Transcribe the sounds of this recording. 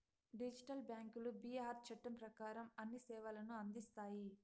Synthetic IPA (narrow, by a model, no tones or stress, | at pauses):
ɖid͡ʒiʈɐlbjaːŋkulubiaːɾt͡ʃɐʈːɐmpɾɐkaːɾɐmɐnːisɛːʋɐlɐnuɐnd̪ist̪aːji